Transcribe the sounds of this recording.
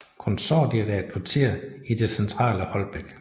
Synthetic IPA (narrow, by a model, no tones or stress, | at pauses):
kʰɔnsɒ̰ːd̥iɐd̥æed̥̚kʰʋɑ̈t͡sʰe̝̰ɐ̰id̥e̝sent͡sʰʁɑ̰̈ːləhɒ̽lb̥eɡ̥